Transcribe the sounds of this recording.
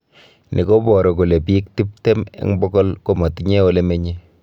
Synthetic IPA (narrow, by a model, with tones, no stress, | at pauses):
nʔi˨ko˦bɔ˨ɾɔ˨ko˨le˨pi˦k̚ti˦p̚te˦mḛ˦ŋbɔ˦ɡɔ˦lko˨mɔ˨ti˦ɲe˦o˦le˦me˦ɲe˦